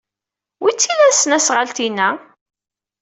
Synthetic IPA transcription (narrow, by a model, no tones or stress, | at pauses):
wit͡sːilæsnæsʁalt̪inæ